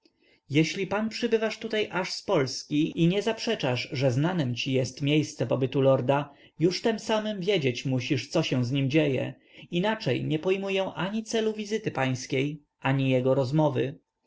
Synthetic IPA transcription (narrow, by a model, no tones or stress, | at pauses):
jɛɕlʲipanpʂɘbɘvaʂt̪ut̪ajʔaʂspɔlskʲiiɲɛzapʂɛt͡ʂaʐʐɛznanɛmt͡ɕijɛst̪mʲjejst̪sɛpɔbɘt̪ulɔɾd̪a | juʂt̪ɛmsamɘmvʲjed͡ʑet͡ɕmuɕiʂt̪sɔɕɛw̃zɲimd͡ʑejɛ̰ | inat͡ʂɛ̰jɲɛpɔjmujɛw̃ʔaɲit̪sɛluvʲizɘt̪ɘpaj̃skʲej | ʔaɲijɛɡɔɾɔzmɔvɘ